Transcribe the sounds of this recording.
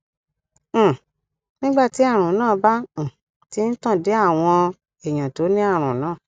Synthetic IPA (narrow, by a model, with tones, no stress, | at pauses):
nĩ˦ɡ͡ba˦˨ti˨˦a˦˨ɾ̃ũ˨˦nãː˦˨˦bã˦˨ | ti˦n̩˦tã˦˨de˨˦a˦˨w̃ɔ̃˧ | e˨j̃ã˨to˨˦nĩ˦a˦˨ɾ̃ũ˨˦nãː˦˨